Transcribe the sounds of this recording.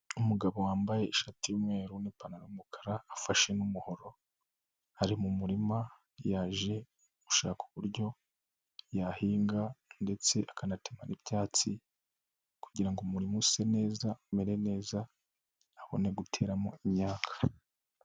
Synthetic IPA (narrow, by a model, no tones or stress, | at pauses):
umuɡaβo̞waːmbaje̞iʃatijumŋe̞ːɾunipanaɾumukʰḁɾaːfaʃe̞numuho̞ɾo̞ | haɾimumuɾima | jaːʒe̞ | uβuʃaːku̥βuɾɟo̞ | jahiːŋɡande̞t͡se̞ʔakanatema̰nibjaːt͡si | kuɟiɾaŋɡumuɾimuse̞ne̞ːzameɾe̞ne̞ːzaː | βo̞̰ne̞ɡutʰe̞̰ːɾamo̰imɲaːkʰḁ